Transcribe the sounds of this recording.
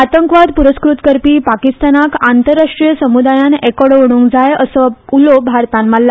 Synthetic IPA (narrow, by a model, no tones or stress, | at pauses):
at̪əŋkʋad̪puɾəskɾut̪kəɾpiːpakist̪anakant̪əɾːaʂʈɾijəsəmud̪ajanɛkɔɽʋəɽ̃ũːŋkd͡zajəsəulobʱaɾt̪ãnmalːa